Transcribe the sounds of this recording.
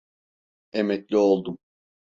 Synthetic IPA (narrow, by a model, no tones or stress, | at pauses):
emɛclʲio̞lˠd̪um